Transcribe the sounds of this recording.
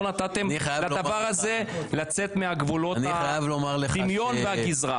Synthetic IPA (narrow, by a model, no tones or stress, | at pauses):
nat̪at̪e̞malad̪avaʁhaze̞lat͡se̞t̪meaɡvulo̞naajavlomaʁleimjo̞nveaɡizʁa̰